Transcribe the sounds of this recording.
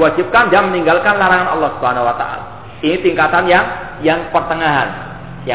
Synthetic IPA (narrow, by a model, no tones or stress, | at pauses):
wad͡ʒip̚kandaməniŋɡalkanlaɾaŋanɑ̰lːɔhsu̥bɦanawat̪a̰ʔa̰la | init̪iŋkat̪anjaŋ | jaŋpərt̪əŋaɦan | ja